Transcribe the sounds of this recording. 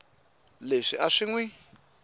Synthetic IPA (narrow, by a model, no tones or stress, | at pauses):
leʂiʔaʂiŋwi